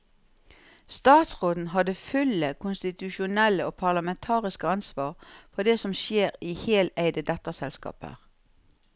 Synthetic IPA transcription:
st̪ɑːt̪sʁoːd̪n̩ɦɑd̪əfʉləkʰʊnst̪ɪt̪ʉʃʊnɛləoːpʰɑʁlɑmɛnt̪ʰɑːʁɪskəɑnsʋɑːʁfɔʁd̪eːsɔmʃeːʁiːheːlæɪd̪əd̪ɛt̪ɑsɛlskɑ̰ːpə̰ʁ

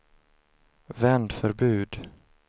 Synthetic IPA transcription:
vɛnd̪fœɾbʉ̟ːd̪

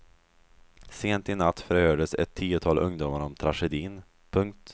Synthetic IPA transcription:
seːnt̪ɪnat̪ːfœɾhøːɖəsɛ̰t̪ʰːiːʊt̪ʰɑːlʔɵŋd̪ʊmaɾɔmt̪ʰɾaʂɛd̪iːn | pʰɵŋk̚t̪

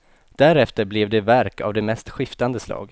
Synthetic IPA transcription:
d̪̥æɾɛft̪əɾblɛvd̪ɛvæɾkʰa̰vd̪ɛmɛst̪ɧɪft̪and̪əslɑ̰ːɡ

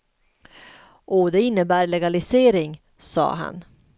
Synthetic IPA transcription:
ʔoːd̪ɛɪnːəbæːɾɭɛɡalɪseːɾɪŋ | sɑ̰ːɦa̰n

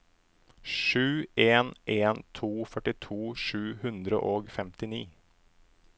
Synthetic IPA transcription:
ʂʉːeːnʔeːnt̪ʰuːfœʈɪt̪ʰuːʂʉ̟ːhɵnd̪ɾə̰ʔoːɡfɛmt̪ɪniː

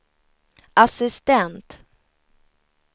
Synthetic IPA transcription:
ʔasɪst̪ɛnt̪

